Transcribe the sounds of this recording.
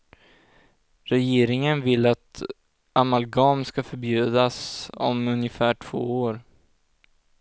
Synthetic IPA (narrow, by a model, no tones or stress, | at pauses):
ɾɛjeːɾɪŋənvɪlːat̪ | amalɡɑːmskafœɾbjʉ̟ːd̪asɔ̰mɵnjəfæːʈʰv̥o̰ːoːɾ